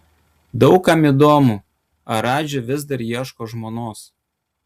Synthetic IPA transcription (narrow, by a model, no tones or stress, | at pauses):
d̪ɒʊkːɐmid̪oːmu | ɐɾɑːd͡ʒʲʊʋʲɪzd̪ɐɾjiɛʃkoːʒmoːnoːs